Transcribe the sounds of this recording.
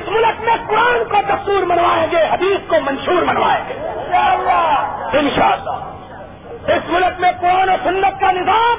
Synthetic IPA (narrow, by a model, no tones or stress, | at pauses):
ɪsmʊlkmẽkʊɾaːnkot̪ɐsuːɾmɐnwaːẽːɡeːɦɐd̪iːskomɐ̃nʃuːɾmɐnʋaːḛ̃ːŋɡeːl | ɪnʃaːəlːa̰ː | ɪsmʊlkmẽkʊɾaːnosʊnːət̪̚kanɪzaːm